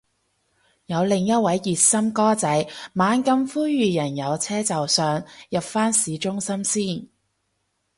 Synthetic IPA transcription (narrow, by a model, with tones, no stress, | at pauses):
jɐ˨˧wlɪ˨ŋjɐ˥t̚wɐ˨˧˥jːiː˨t̚sɐ˥mkɔː˥t͡sɐ˨˥jmaː˨˧nkɐ˧mfuː˥jyː˨jɐ˨˩njɐ˨˧wt͡sʰɛː˥t͡sɐ˨wsœː˨ŋjɐ˨p̚faː˥nsiː˨˧t͡ʃʊ˥ŋsɐ˥msiː˥˩n